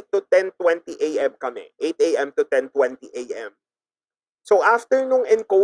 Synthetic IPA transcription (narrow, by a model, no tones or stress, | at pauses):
t̪ʊt̪ɛnt̪wɛ̃nt̪iʔejʔɛmkɐmɛ̰ʔejt̪̚ʔejʔɛ̃mt̪ʊt̪ɛnt̪wɛnt̪iʔejʔɛ̃m | soʔaft̪ɛɹnʊŋʔɪnko